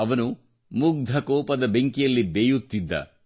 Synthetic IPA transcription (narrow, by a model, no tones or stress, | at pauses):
ɐʋɐnu | muɡ̚d̪ʱɐkɔːpɐd̪ɐbeŋkijɐlːibeːjut̪ːid̪ːɐ̰